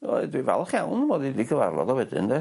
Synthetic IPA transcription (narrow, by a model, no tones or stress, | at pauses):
ɔdwivɛ̰lˠχjawnəmɔdidiɡʰəva̰rlˠɔ̰ðɔwɛdɪ̰ndɛ